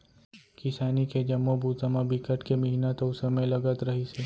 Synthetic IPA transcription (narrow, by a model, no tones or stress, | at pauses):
kɪsaːniked͡ʒɐmːobʱuːt̪zəmabɪkəʈkemɐɦinat̪oʊsɐmẽlɐɡət̪ɾɐɦiseː